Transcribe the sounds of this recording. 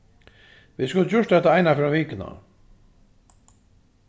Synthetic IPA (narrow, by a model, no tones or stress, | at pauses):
viðskʊlt͡ɕʊʂt̪ɛht̪aajnafɪɾaviːkɪna̰